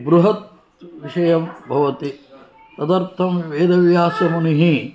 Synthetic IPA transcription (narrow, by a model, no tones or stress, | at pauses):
bɾuɦɐt̪̚ | ʋiʃɐjɐmbʱɐʋɐt̪i | t̪ɐd̪ɐɾt̪ʰɐmʋeːd̪ɐʋjaːsɐmɐniɦi